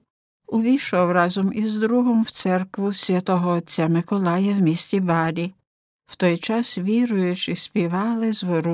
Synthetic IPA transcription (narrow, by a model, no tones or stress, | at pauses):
ʊʋʲiʃɔwrɑzɔmizd̪ɾuɦɔmwt̪sɛrkʋʊsʲʋʲɐt̪ɔɦɔːtʲt͡sʲːamɪkɔlˠɑjɐwmʲisʲtʲibɑɾʲi | w̥t̪ɔjt͡ʃɑsʋʲiɾʊjʊt͡ʃɪsʲpʲiʋɑlˠɪzʋɔɾu